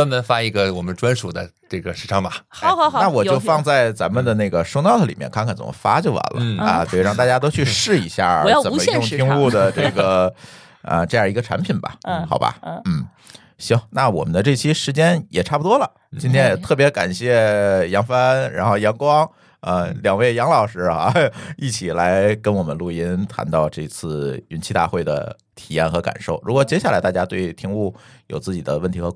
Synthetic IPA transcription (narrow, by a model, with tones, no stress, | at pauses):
a˥nə˧˥nfa˥i˧˥ɡə˧wɔ˨˩mə˦nʈ͡ʂwa˥nʂu˨˩d̪ə˦ʈ͡ʂɤ˥˩ɡə˩ʂ̩˧˥ʈ͡ʂʰɑ˥ŋbɐ˨˩˧na˥˩wɔ˨˩t͡ɕjo˧fɑ˥˧ŋt͡sa˥˩ɪt͡sa̰˧˥mə˧˨nd̪ə˨ne˥˩ɡə˩ʂo˥nɑ˥˩ʊd̪ə˩li˨˩mjɛ̰˥˧nkʰa˥˧nkʰa˧˥nt͡sə̰˨˩mə̰˦fa˥t͡ɕjo˥˩ʊwa̰˧˥nlə̰˦ə̰˧t̪ɑ˥˧ŋt̪a˥˩ja˥t̪o˥ʊt͡ɕʰy˥˧ʂɻ̩˥˩i˧˥ɕja̰˥˩˧jə˨˩˧mə˦˥jʊ˥˧ŋi˥u˥˩d̪ə˩ʈ͡ʂɤ˥˩ɡə˩ | ə̰˧ʈ͡ʂɤ˥˧jə˩˧˥ɡə˧ʈ͡ʂʰa̰˧˥npʰi˨˩nbɐ̰˨˩˥xɑ˨˩ʊbɐ̰˧n̩˥˩ | ɕo˥na˥˩wɔ̰˨˩mə˦nd̪ə˧ʈ͡ʂɤ˥˩t͡ɕʰi˥ʂɻ̩˧˥t͡ɕjɛ˥njɛ˨˩ʈ͡ʂʰa˥˩pu˩t̪wɔ˥lə˨˩ | t͡ɕi˥nt̪ʰjɛ˥njɛ˨˩t̪ʰɤ˥˩p̬jɛ˧˥ka̰˨˩nɕjɛ˥˩jɑ˧˥ŋfa˥nɻa˧˥nxo˥˩ʊjɑ˧˥ŋkwɑ˥ŋ | ə˧ljɑ˨˩ŋwe˥˩ɪjɑ˧˥ŋlɑ˨˩ʊʂɻ̩˧˥a̰˥˧i˥˩t͡ɕʰi˨˩la˧˥ɪkə˥nwɔ˨˩mə̰˦nlu˥˩i˥nt̪ʰa̰˧˥nt̪ɑ˥˧ʊʈ͡ʂɤ˥˧˥t͡sʰɹ̩˥˩y˧˥nt͡ɕʰi˥˧t̪a̰˥˧xwe˥˩ɪd̪ə̰˩ | t̪ʰi˨˩jɛ˥˩nxɤ˧˥ka̰˨˩nʂo˥˩ʊɻu˧˥kwɔ˨˩t͡ɕjɛ˥ɕja˥˩la˧˥ɪt̪a˥˧˩t͡ɕja˥t̪we˥˩ɪt̪ʰi˧˥ŋu˥˩jo˨˩ʊt͡sɹ̩˥˩t͡ɕi˨˩d̪ə˦wə˥˩nt̪ʰi˧˥xɤ˧˥